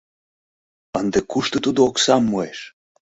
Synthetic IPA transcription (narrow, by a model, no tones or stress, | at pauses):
ənd̪ekuʃt̪ot̪ud̪oːksɑmːoeʃ